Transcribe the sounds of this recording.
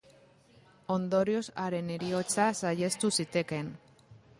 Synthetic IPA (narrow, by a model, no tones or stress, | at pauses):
o̞nd̪o̞ɾio̞saɾe̞neɾio̞t͡sasaje̞st̪usit̪e̞ke̞n